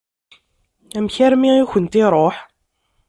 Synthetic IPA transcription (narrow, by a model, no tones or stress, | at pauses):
æmçæɾmiiçənt̪iɾˤoħ